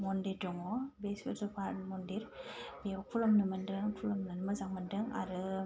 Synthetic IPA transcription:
mɔndiɾdɔŋɔbesbeɾzɔpʰaɾmɔndiɾbeɔkʰulɔmnɯmɯndɯŋpʰulɔmnɯnɯmɯzaŋmɯndɯŋa̰ɾɯ

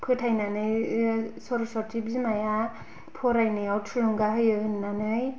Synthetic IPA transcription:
kʰɯtʰajnanɯjsoɾosɔtʰibzimaja | pʰoɾajnɯjawtʰuluŋɡaɦɯjɯɯnːanɯj

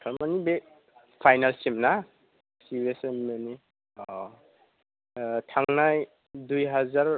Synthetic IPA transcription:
kʰaɾmanibe | pʰajnalsimna | sibesemmeni | tʰaŋnaj | dujɦazaɾ

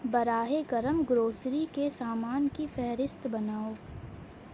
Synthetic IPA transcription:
bɐɾaːɦeɡɐɾəmɡɾoːsɾikesaːmaːnkifɛɦɾɪst̪bɐnaːoː

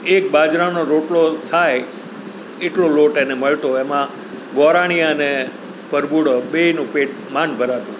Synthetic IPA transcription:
ek̚bad͡ʒɾanoɾoʈlot̪ʰae | eʈloloʈeneməɭt̪oemã | ɡɔɾaɽ̃ijãəne | pəɾbuɽəɓeinũpeʈ̚ | manbʱəɾat̪ũ

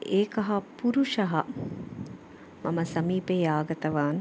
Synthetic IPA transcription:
eːkɐɦɐpuɾuʂɐɦɐ | mɐmɐsɐmiːpejaːɡɐt̪ɐʋaːn

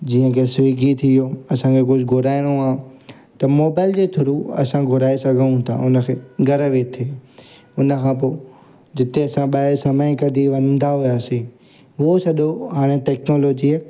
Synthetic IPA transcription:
d͡ʑiːə̃kʰesiːɡʱit̪ʰijoɐsãkʰek̬ʊd͡ʑʱɡʱʊɾaːɪɽ̃oaː | t̪ɐmoːbaːɪld͡ʑeːt̪ʰʊɾuɐ̰sãɡʱʊɾaːesɐɡʱə̃nũt̪ʰã̰ʊnə̆kʰeːɡʱɐɾəʋet̪ʰeː | ʊnə̆kʰãːp̬oː | d͡ʑɪt̪eɐsãɓaesɐməɪ̃kɐd̪ʱiʋɐ̃nnd̪aɦʊjaːsĩ | ɦosɐɗoɦaːɽ̃eʈɛːknoːloːd͡ʑi

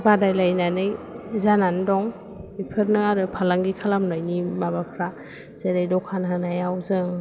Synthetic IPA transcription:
badajlajnanɯjzanandɔŋ | bipʰɯɾnɯaɾɯpʰalaŋɡikʰalamnajnimabapʰɾa | z̥eɾajdɔkʰanɦɯnajawzɯŋ

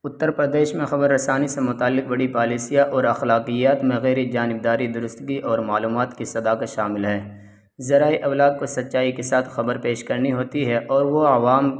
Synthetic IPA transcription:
ʊt̪ːəɾpɾɐd̪eːʃmẽxɐbəɾːɐsaːnisemʊt̪aːlːɪq̚bɐɽipaːliːsijaʔɔːɾɐxlaːqijaːt̪mẽɣɛːɾid͡ʒaːnɪb̚d̪aːɾid̪ʊɾʊst̪ɡiʔɔːɾmaːluːmaːt̪kisɐd̪aːkət̪ʃaːmɪlɦɛː | zɐɾaːiʔɐwlaːd̪̚kosɐt̪ːʃaːikesaːt̪ʰxɐbəɾpeːʃkɐɾniɦoːt̪iɦɛʔɔːɾʋoɐʋaːm

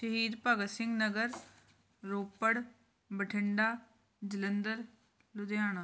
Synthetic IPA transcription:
ʃəɦiːd̪pəɡəsɪ̃ŋɡnəɡəɾ | ɾoːpːəɽ | bəʈʰɪɳɖaː | d͡ʒɪlənd̪əɾ | lʊd̪jaːnaː

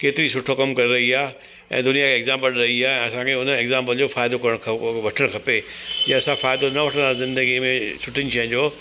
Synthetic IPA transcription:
keːt̪ɪɾisʊʈʰokɐmkɐɾeɾɐɦiaː | ɛ̰̃ːd̪ʊnijakʰeːɡzãːmpəlɾɐɦiaːɛ̃ɐsãkʰeʊnəeːɡzãːmpəld͡ʑoːfaːɪd̪okɐɾəɽ̃kʰʋɐʈʰəɽ̃kʰɐpeẽɐsãfaːɪd̪onɐʋɐʈʰə̃azɪ̃nd̪əɡimẽsʊʈʰɪnɪ̆ʃɐə̃ɲd͡ʑoː

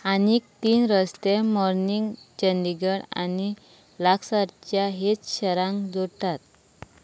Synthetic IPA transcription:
aniːk̚t̪iːnɾəst̪emɔɾniŋɡt͡ɕənd̪iɡəɽa̰ni | laksaɾt͡ɕjaɦet͡sɕəɾãŋkd͡zoʈat̪̚

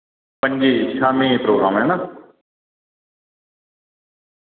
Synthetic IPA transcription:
pəɲʲd͡ʒeːɪtːʃʰaːmẽːeːpɾoːɡɾaːmɦɛːnaː

